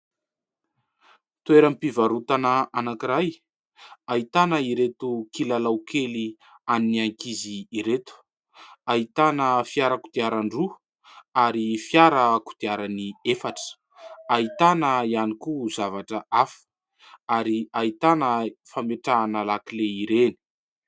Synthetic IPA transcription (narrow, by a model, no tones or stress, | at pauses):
t̪ueɾəmipivaɾut̪anəanakiɾaj | ait̪anəiɾet̪ukilalawkʰeli | aniniaŋkiziːɾet̪u̥ | ait̪anəfiaɾəkud̪̥iaɾaɳɖ͡ʐu | aɾifjaɾəku̥d̪̥iaɾaniefaʈ͡ʂə̥ | ait̪anəianikuzavaʈ͡ʂəʔafə̥ | aɾiait̪anəfameʈ͡ʂaːnalakileiɾeni̥